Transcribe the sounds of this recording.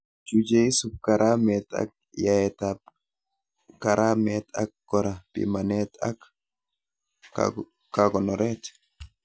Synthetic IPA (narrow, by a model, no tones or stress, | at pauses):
d͡ʒʊd͡ʒeɪsʊb̚kɐɾʔaːmeːt̪ɐ̰k̚ | jaɛt̪ap | kɐɾʔaːmeːt̪ɐ̰k̚ɡɔɾɐbɪ̰mɐneːt̪ɐk | kaɡɔnɔɾeːt̪